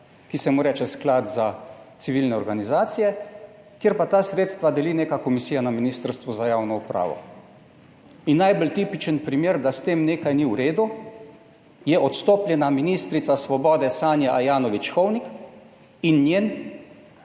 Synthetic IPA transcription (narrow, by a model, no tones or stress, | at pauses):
kisɛmuɾɛt͡ʃɛsklat̪zat̪siʋilnɛɔɾɡanizaːt̪sijɛ | kjeːɾpat̪aːsɾeːt̪st̪ʋad̪ɛlineːkakɔmisiːjanaminist̪əɾst̪ʋuzajaːwnɔupɾa̰ːʋɔ̰ | inːajbəlt̪ipit͡ʃənpɾimeːɾd̪ast̪eːmneːkajniwɾeːd̪u | jɛʔɔt̪st̪oːpljɛnaminist̪ɾit̪sasʋɔbɔːd̪ɛsaːnjaʔajaːnɔʋit͡ʃxɔwnik | inːjeːn